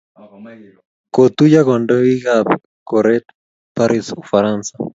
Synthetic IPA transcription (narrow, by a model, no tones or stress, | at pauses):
kot̪ujaɣondoiɣab | koɾet̪ | paɾisufaɾansḁ